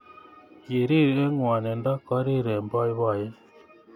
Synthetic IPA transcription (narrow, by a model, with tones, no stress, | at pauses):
je˨ɾi˦˨ɾe˦ŋwa˨nɛ˨ndɔ˦kɔ˦ɾi˦˨ɾɛ˨mbɔ˦i˦βa˦˨jɛ˦